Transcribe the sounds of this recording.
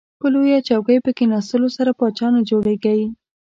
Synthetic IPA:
pəlojat͡ʃawɡəjpəkenɑsəlosaɾapɑt͡ʃɑnod͡ʒoɽeɡawi

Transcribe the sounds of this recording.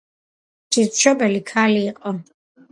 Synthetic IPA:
d͡ʒiɾtʃɔbɛlikʰaliːqʼɔ

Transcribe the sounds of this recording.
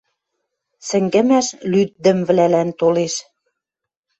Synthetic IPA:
sɘ̆ŋɡɘ̆mæʃlyt̪̚d̪ə̆mvlælænt̪oleʃ

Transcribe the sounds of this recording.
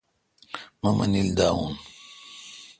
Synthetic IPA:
mamʔɐ̰nild̪aːun

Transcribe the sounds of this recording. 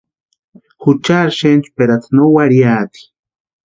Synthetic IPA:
xut͡ʃaɾʃent͡ʃpeɾat̪ʰnowaɾjaːt̪i̥

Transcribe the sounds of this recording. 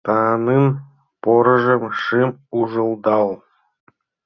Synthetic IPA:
t̪ɑːnɯn | poɾɤ̆ʒə̆mʃɨmuʒɤ̆lˠd̪ɑlˠ

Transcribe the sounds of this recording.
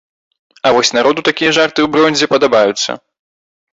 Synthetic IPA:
ɐvɔsʲnaɾɔd̪ut̪akʲijɐʐart̪ɨwbɾɔnʲzʲɛpɐd̪abajut̪sːɐ̰

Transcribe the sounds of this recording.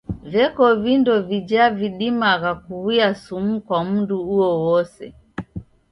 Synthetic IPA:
vjɛkɔvindɔvid͡ʒaviɗimaɣakuwiasum̩kwam̩nduuɔwɔsɛ̰

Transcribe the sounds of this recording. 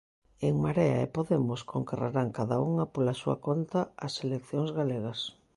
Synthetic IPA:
eŋmaɾɛa̰epoðemoskʰoŋkeraɾaŋkaðauŋɐpolasuɐ̰kont̪aɐselekθjoŋzɣaleɣɐs

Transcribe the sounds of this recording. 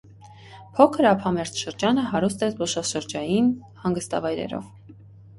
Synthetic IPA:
pʰɔkʰəɾɑpʰɑmɛɾt͡sʰʃəɾd͡ʒɑnəɦɑɾust̪ɛt͡sbɔʃɑʃəɾd͡ʒɑjin | hɑŋɡəst̪ɑ̰vɑjɾɛ̰ɾɔ̰v

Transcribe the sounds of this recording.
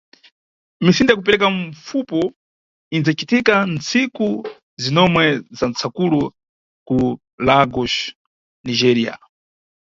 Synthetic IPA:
misindajakupɛɾɛkaɱfupɔ | ind͡zat͡ʃitikant͡siku | zinɔmwɛzant͡sʰakulu | ku | laɡɔʃ | nid͡ʒɛɾia̰

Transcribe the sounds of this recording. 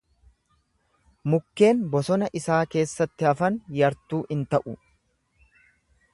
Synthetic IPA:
mʊkːe̞ːnbɔsɔnɐʔɪsaːke̞ːsːɐt̪ːɪɐfɐnjɐɾt̪uːʔɪnt̪ɐʔʊ

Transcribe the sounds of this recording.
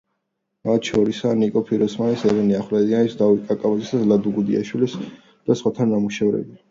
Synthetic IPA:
mat̪ʰʃɔɾisanikʼɔpʰiɾɔsmanisɛvɛniaχlɛd̪ianisd̪avit̪̚kʼakʼabazisad̪lad̪uɡud̪ia̰ʃwilis | d̪̥asχwat̪ʰanːamuʃɛvɾɛ̰bi

